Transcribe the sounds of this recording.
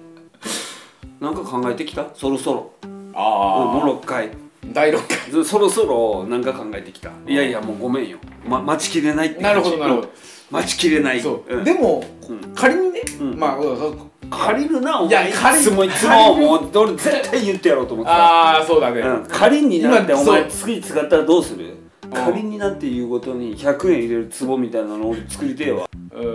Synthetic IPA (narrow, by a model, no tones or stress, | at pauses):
nãŋkakãŋɡaet̪e̞kʲi̥t̪aso̞ɾo̞so̞ɾo̞̰aɯ̃moɾo̞kːaid̪aiɾokːaiso̞ɾo̞so̞ɾo̞nãŋkakãŋɡaet̪e̞kʲi̥t̪a̰ijaiamoːɡo̞mẽ̞ɰ̃jo̰mamat͡ɕi̥kʲiɾe̞nait̪ːnaɾɯɦod̪onaɾɯod̪o | mat͡ɕi̥kʲiɾe̞naioɯ̃d̪e̞mo | ɯ̃kʰaɾʲiɲ̟ineɯ̃ːma | kʰaɾʲiɾɯ̟naomaimoit͡sɨmomoːoɾed͡ze̞t̪ʰːaijɯ̟t̪ːejaɾo̞ːt̪oːmot̪ːasoːd̪aneɯ̃kʰaɾʲiɲ̟ːinãeomat͡sɨ̥kɯɲ̟it͡sɨɡat̪ːaɾad̪o̞ːsɨɾɯ̰ | kʰaɾʲiɲ̟inãt̪ːe̞jɯ̟ːɡo̞t̪o̞ɲ̟içakɯ̟ẽɰ̃iɾe̞ɾɯ̟t͡sɨbo̞mʲit̪ainanooɾet͡sɨ̥kɯ̟ɾʲit̪eːβa̰